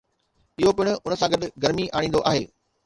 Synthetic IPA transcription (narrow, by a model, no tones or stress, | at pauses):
ɪɦopɪɽ̃ʊ̆ʊnə̆sãɡɐɗɡɐɾmiʔaːɽĩːnd̪oʔaːɦeː